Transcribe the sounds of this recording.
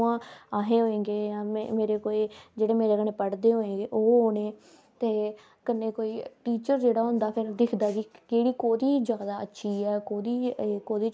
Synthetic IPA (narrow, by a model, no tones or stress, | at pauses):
ãːaːɦẽːɦoːẽːɡeːjãːmemeːɾeːkoːeːd͡ʒeːɽeːmeːɾeːkəɳeːpəɽd̪eːɦoːẽːɡeːʔoːoːnẽː | t̪eː | kənːeːkoːiːʈiːt͡ʃəɾd͡ʒeːɽaːɦʊ̃nd̪aːpʰɪɾd̪ɪkʰd̪aːd͡ʒiːkeːɽiːkoːd̪iːd͡ʒaːd̪aːətːʃʰiːɛːkoːd̪iːekoːd̪iː